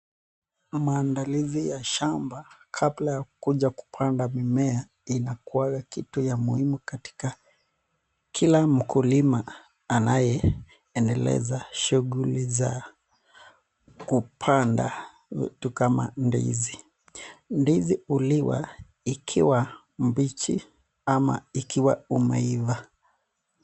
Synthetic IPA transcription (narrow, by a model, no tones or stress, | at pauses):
maːndalizijaʃambakʰablajakuʄaku̥pʰandamimɛa | inakuwaɡakitujamuhimukati̥ka | kʰilam̩kulimaː | najɛ | ɛndɛlɛ̰zaʃuɣuliza̰ | kupʰanda̰ | ḭtukama̰ndḭzi | ndiziuliwa̰ | ikʰiwa | m̩bit͡ʃḭ | ama̰ikʰiwaumɛ̰iva